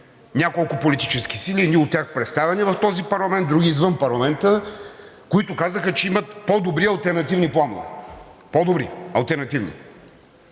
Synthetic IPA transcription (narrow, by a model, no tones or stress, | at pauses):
nʲakolˠkʊpolit̪it͡ʃɛsk̟isiliniʊt̪ːʲjaxpɾɛt̪st̪avɛnivɐft̪ɔzipɐɾlˠɐmɛnt̪d̪ɾuɡʲiːzvɤmpɐɾlˠɐmɛnt̪ə | koit̪ʊkazəxət͡ʃɛimɐt̪pɔd̪obɾiɐlˠt̪ɛɾnɐt̪ivniplˠano̰vɛ̰pɔd̪obɾḭɐlˠt̪ɛɾnɐt̪ivnḭ